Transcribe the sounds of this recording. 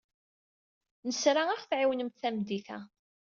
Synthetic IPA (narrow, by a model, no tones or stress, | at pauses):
nəsɾaæχθʕiwnəmt̪θæmd̪iθæ̰